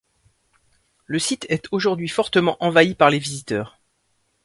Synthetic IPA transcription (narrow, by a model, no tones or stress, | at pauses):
ləsit̪ʰɛt̪ʰoʒuʁd̪ɥifɔʁt̪əmɑ̃ʔɑ̃vaipaʁlevizit̪œːʁ